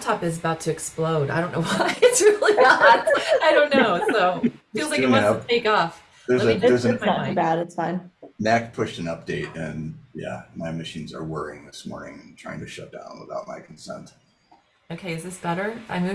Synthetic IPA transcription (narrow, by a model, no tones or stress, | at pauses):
tʰɑpɨzəbaʊtʰɨɨksploʊɾaɪɾõnːoʊwʌɪɨtsɹɪlˠiɡɑtaɪɾõʊ̃nːoʊsoʊfillzlaɪʌɨtʰeɪkɔf | ðə˞zɪðə˞zsnəibæɾɨtsfãɪ̃nnæk̚pʰʊʃtɨ̃nʌp̚d̥eɪt̚ɨ̰̃njæ̰maɪmɨʃĩnzə̰˞wɜ˞iɪ̰̃ŋðɪsmɔ̰ɹnɪ̰̃ŋ̃n̩tʰɹ̥aɪɪ̰̃ŋtʰɨʃʌt̚d̥ã̰ʊ̃nwə̰baʊt̚ma̰ɪkʰn̩sɛ̰̃nt̚ | oʊkʰeɪɨzðɪsb̥ɛɾə˞ʔã̰ɪ̃m